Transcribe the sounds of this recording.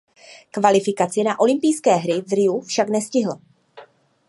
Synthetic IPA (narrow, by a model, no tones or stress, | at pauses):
kvalɪfɪkat͡sɪnaʔo̞lɪmpijskɛːɦɾɪvɾɪufʃaknɛscɪɦl̩